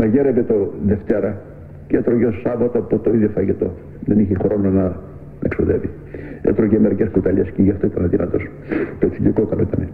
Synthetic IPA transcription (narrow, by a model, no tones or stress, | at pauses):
mɐʝeɾevet̪oðeft̪eɾɐ | cet̪ɾoʝeosɐvɐt̪oɐpot̪oiðʝofɐʝet̪o̞̰ | ðeniçexɾo̞nonɐ | eksuðevi | ḛt̪ɾoʝemeɾiceskut̪ɐʎesceʝɐft̪oit̪ɐnɐðinɐ̰t̪o̞s | t̪oeksilikokɐloit̪ɐne